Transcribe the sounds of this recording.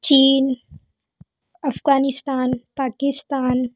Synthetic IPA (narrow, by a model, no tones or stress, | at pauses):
t͡ʃiːn | ɐfɡaːnɪst̪aːnpaːkɪst̪aːn